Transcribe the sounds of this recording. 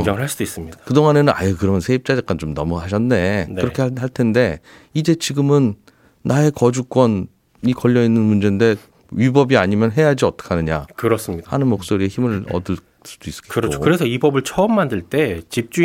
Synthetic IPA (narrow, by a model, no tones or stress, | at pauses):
ʌŋɯɭɦaɭs͈udis͈ɯmɲidakɯdoŋane̞nɯna̰jekɯɾʌnsʰeip̚t͡ɕ͈ad͡ʑek͈ant͡ɕomnʌmuhaɕ̬ʰʌnːe̞nkɯɾʌkʰe̞haɭtʰe̞nde̞ | id͡ʑe̞t͡ɕiɡɯmɯnː | ae̞kʌd͡ʑuk͈wʌn | ikʌʎːʌinːɯnmund͡ʑe̞nde̞ | ɥibʌbiaɲimjʌnɦe̞jad͡ʑiʌt͈ʌ̥kʰanɯɲa̰kɯɾʌs͈ɯmɲidhanɯnmok̚s͈oɾieçimɯɭʌ̰dɯɭ | s͈ud̥ois͈kɯɾʌt͡ɕʰokɯɾe̞sʰʌibʌbɯɭt͡ɕʰʌːmːandɯɭt͈e̞t͡ɕip̚t͡ɕ͈u